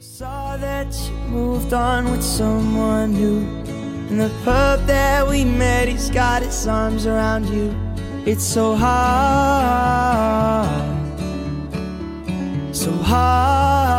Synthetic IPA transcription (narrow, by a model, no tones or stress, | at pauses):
sɔ | ðɨt͡ʃ | ɨmuvdn̩wɨð̥sʌ̃mwʌ̃nɦu | ɨ̃n̩ðɨpʰɜ˞p̚ðɨt̚wimɛɾizɡɑɾɨtsɑɹmzə˞ãʊ̃nd͡ʒʉ | ɨtsoʊɦɑ | soʊɦɑ